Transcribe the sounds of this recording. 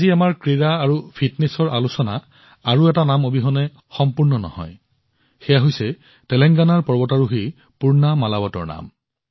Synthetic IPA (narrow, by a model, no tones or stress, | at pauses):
aziamaɹkɹiɹaːɹupʰitnesɔɹʔalusɔna̰ | aɹuɛtanamobiɦɔnɛ | xɔmpuɹnɔnɔ̰hɔ̰j | xɛjaɦojsɛ | tɛlɛŋɡanaɹpɔɹbɔtaɹuɦi | puɹnamalabɔtɔ̰ɹna̰m